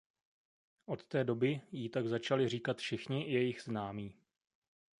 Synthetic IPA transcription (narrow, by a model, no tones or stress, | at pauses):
ʔo̞t̪t̪ɛːdo̞bɪjiːt̪aɡzat͡ʃalɪriːkat̪fʃɪxɲɪjɛjɪɣznaːmiː